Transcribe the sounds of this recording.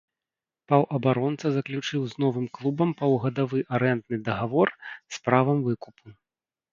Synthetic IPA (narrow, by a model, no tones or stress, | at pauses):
pawʔɐbaɾɔnt̪sɐzɐklʲut͡ʂɨwznɔvɨmklˠubɐmpɐwɣɐd̪avɨʔaɾɛnt̪nɨd̪ɐɣavɔrspɾavɐmvɨkupʰu